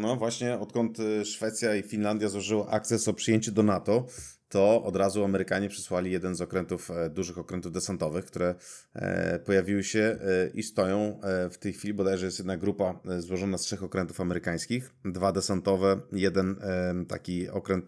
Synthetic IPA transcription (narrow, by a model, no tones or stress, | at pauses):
nɔvwaɕɲɛɔt̪kɔnt̪ʂfɛt̪sʲjaifʲinland̪ʲjazwɔʐɘwaʔak̚t̪sɛsɔpʂɨjeɲt͡ɕɛd̪ɔnat̪ɔ | t̪ɔɔd̪ɾazuamɛɾɘkaɲɛpʂɛ̥swalʲijɛd̪ɛnzɔkɾɛnt̪ufd̪uʐɘxɔkɾɛnt̪uvd̪ɛsant̪ɔvɘxk̚t̪uɾɛ̰ | pɔjavʲiwɘɕɛʔist̪ɔjɔ̃w̃ft̪ɛjxfʲilʲibɔd̪ajʐɛjɛst̪jɛd̪naɡɾupazwɔʐɔnastʂɛxɔkɾɛnt̪u̥famɛɾɘkaj̃skʲixd̪vad̪ɛsant̪ɔvɛjɛd̪ɛnt̪a̰kʲiɔ̰kɾɛnt̪̚